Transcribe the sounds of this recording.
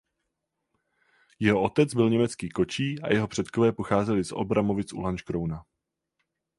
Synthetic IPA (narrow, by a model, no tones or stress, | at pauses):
jɛɦo̞ʔo̞t̪ɛt͡sbɪlɲɛmɛt͡skiːko̞t͡ʃiːʔa̰jɛɦo̞pr̝̥ɛt̪ko̞vɛːpo̞xaːzɛlɪsʔo̰bɾamo̞vɪsʔṵlant͡ʃkɾowna